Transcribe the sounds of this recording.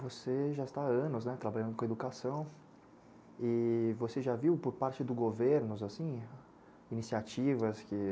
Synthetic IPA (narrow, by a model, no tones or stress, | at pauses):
voseʒaɪst̪aɐ̃nʊznɛt̪ɾabaʎɐ̃nd̪ʊkõed̪ukasɐ̃w̃ | ɪvoseʒaviwpoɾpaɾt͡ʃɪd̪ʊɡoveɾnʊzasĩ | inisiat͡ʃivɐskɪ